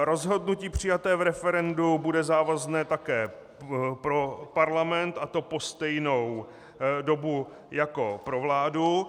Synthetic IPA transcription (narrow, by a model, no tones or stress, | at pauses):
ɾo̞zɦo̞dnuciːpr̝̥ɪjat̪ɛːvɾɛfɛɾɛndubudɛzaːvaznɛːt̪akɛː | pɾopaɾlamɛnt̪ʔat̪o̞po̞st̪ɛjno̞w | do̞bu | jako̞pɾo̞vlaːdu